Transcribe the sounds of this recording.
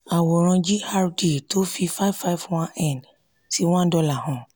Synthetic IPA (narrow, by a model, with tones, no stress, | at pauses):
a˨wo˨ɾ̃ã˧d͡ʒi˦ha˧ɾdi˨to˦fi˧fa˦i˦fa˧i˦vwã˦ɛ̃˦˨n | si˦w̃ɔ̃˦dɔ˧la˨hɔ̃˨